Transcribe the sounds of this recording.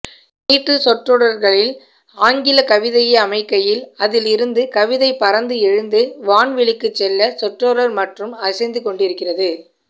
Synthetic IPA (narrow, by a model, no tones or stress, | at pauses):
niːʈːɯsɔʈroːɽɐɾɣɐɭɪl | aːŋɡɪlɐkɐʋɪðɐjɐɐmɐɪkːɐjɪlɐðɪlɪɾɯnd̪ɯkɐʋɪðɐɪpɐɾɐnd̪ɯɛɻɯnd̪ɯʋaːnʋɪɭɪkːɯt͡ʃːɛlːɐsɔʈroːɽɐɾmɐʈrɯmɐsɐɪnd̪ɯkɔɳɖɪɾɯkːɪrɐðɯ